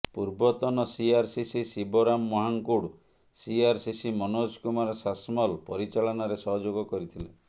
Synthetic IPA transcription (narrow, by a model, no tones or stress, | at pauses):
puɾbɔt̪ɔnɔsiaɾsisisiboɾamːɔɦaŋkuɽ | siaɾsisimɔnoskumaɾɔsasmɔlpɔɾit͡ʃaɭɔnaɾesɔɦɔd͡ʒoɡɔkɔɾit̪ʰile